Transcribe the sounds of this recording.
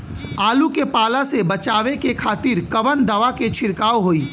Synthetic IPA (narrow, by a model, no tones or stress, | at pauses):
aːlukepaːlasebɐt͡ʃaːʋekekʰaːt̪iːɾkɐʋənd̪ɐʋaket͡ʃʰɪɾkaːʋoɦoiː